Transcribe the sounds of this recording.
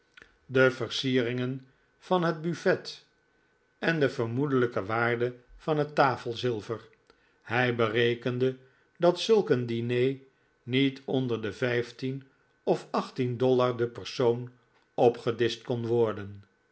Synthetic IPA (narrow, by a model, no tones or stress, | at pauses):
dəvəɹsiːərɪŋən | vɑnɦəd̚byfɛt | ɛndəvəɹmudələkəʋaːɹdəvɑnɦətːaːfəlˠzɪlˠvəɹ | hɛjbərejkəndə | dɑtsɵlˠkəndinej | nitʰɔndəɹdəvɛjftin | ɔfɑχtindɔlaɹdəpəɹsown | ɔpχədɪst̚kɔnʋɔɹdən